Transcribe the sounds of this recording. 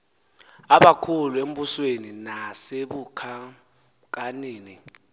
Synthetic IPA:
aɓakʰuluem̩busweninaseɓukʰa | k̬ʼaneːni

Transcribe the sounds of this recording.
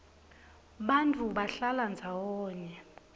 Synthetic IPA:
ɓantʰʼuɓaɬaland͡zʱawɔːɲɛ

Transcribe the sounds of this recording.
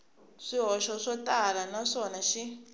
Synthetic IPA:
ʂiɦɔʃɔʂɔtʼalanaʂɔnaʃi

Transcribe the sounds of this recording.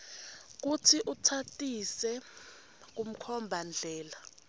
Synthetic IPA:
k̬utʰiʔutʰatʼisɛ | k̬um̩kʰɔmbʱand͡ɮʱɛːla

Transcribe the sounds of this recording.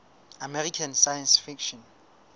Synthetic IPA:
amɛrikʰansajãnsfikʃɔ̃n

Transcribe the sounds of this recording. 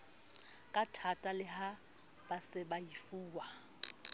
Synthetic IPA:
kʼatʰatʼalɪha | b̥asɪbaifuːwa

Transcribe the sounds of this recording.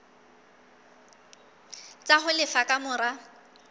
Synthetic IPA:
t͡sʼaɦʊlɪfakʼamʊːra

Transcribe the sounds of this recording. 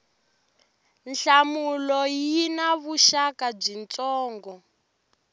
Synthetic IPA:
nɬamulɔjinaβuʃakab͡ʐint͡sʼɔːŋɡɔ

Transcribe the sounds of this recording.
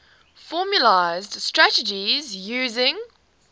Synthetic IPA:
fɔːmjəlaɪzd̥stɹ̥atəd͡ʒizjʉːzɪ̃ŋ

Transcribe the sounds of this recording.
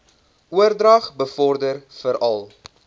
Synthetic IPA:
uərdrɐχbəfɔrdərfəɾɐlˠ

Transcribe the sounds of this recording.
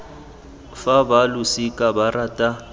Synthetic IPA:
fabalusikʼabaratʼa

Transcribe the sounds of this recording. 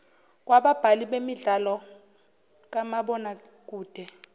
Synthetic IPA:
k̬waɓab̥ʱaliɓemiɮalɔ | k̬ʼamaɓɔnak̬ʼuːd̥ʱɛ

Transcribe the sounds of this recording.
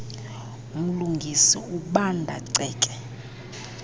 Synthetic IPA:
um̩luŋɡʱisḭuɓandʱa̰ǀɛːkʼɛ

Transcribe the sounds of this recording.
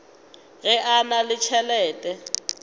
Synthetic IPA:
ɣɛʔanalɪt͡ʃʰɛlɛːtʼɛ

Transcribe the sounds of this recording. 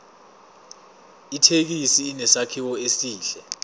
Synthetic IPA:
itʰek̬isiːnɛsakʰiwɔesiːɬɛ

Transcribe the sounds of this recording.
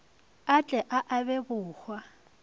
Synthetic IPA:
at͡ɬʼɛʔaʔabɛbʊːhwa

